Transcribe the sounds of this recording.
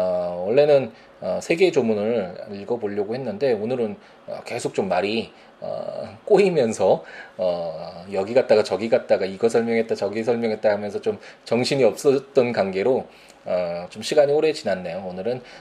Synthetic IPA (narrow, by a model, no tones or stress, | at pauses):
ʌwʌɭːe̞nɯn | ʌsʰe̞ɡe̞d͡ʑomunɯɭiɭɡʌboʎːʌɡohe̞nːɯnde̞onɯɾɯn | ʌ̰ke̞sʰok̚t͡ɕomːaɾi | ʌ̰k͈oimjʌnsʰʌʌjʌɡiɡat̚t͈aɡat͡ɕʌɡiɡat̚t͈aɡaiɡʌsʰʌɭmjʌŋɦe̞t͈̚at͡ɕʌɡisʰʌɭmjʌŋɦet͈̚aɡhamjʌnsʰʌt͡ɕomt͡ɕʌŋɕʰiɲiʌp̚s͈ʌt̚t͈ʌnkanɡe̞ɾo | ʌt͡ɕomɕʰiɡaɲioɾe̞t͡ɕinanːejoonɯɾɯn